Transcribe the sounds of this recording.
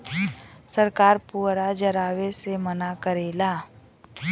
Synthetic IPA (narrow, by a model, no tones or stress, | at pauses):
səɾkaːɾpuːɾad͡ʒəɾaːwesemənakəɾeːlaː